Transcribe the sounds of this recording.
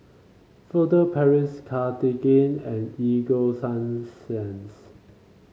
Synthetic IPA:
fətəpʰɛɹɪskʰatiɡẽnɛ̃niɡosãnsɛ̃ns

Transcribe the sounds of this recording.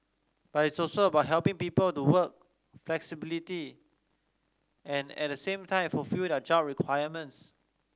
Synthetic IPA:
b̥atitsɔsoəbaʊʔ̚ɦɛlpɪ̃ŋpiːpəltuwək̚ | flɛksibiliti | ʔɛ̃nɛ̰t̚dəsẽmtʰãɪ̃mfɔlfildɛd͡ʒaʊt̚ɹikʰwajəmə̃ns

